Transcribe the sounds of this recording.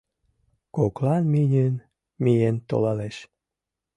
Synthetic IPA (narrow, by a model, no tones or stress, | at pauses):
koklɑnminʲyn | mijent̪o̰lɑleʃ